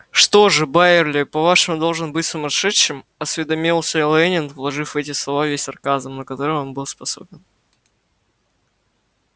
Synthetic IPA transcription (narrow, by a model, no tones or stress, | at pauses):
ʂt̪o̞ʐɨbaɪrlʲɪpɐvaʂɨmʊd̪o̞lˠʐɨnbɨtʲsʊmɐʂɛʂːɨmɐsvʲɪd̪ɐmʲilˠsʲəlˠɛnʲɪnvlˠɐʐɨfvɛtʲɪslˠɐvavʲesʲɐrkazəmnəkɐt̪o̞ɾɨmonbɨlˠspɐso̞̰bʲɪn